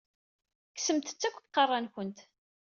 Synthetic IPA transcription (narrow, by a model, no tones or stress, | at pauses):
ksəmt̪ə̥t͡sːækʷːθqːɑrˤːɑnkʷənt̪